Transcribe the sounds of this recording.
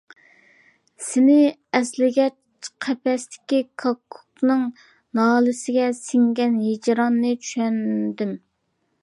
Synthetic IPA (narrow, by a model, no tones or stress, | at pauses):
sɪnɪɛslɪɡʲɛt͡ʃ | qʰɛpɛst̪ʰɪ̥kʲikʰɑkʰːu̥knɨŋ | nɑːlˠɨsɪɡʲɛsɪŋɡʲɛnɦed͡ʒɾɑnːɨt͡ʃʰy̥ʃɛnd̪ɪm